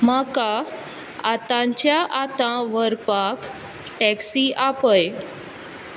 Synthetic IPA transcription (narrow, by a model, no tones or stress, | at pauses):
maka | at̪ãɲt͡ɕjaʔat̪ãʋəɾpak | ʈɛksiʔapəj